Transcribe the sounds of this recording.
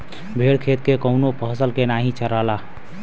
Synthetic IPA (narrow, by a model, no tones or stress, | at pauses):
bʱeɽkʰet̪kekəʊnopəɦsəlkenaɦĩt͡ʃəɾala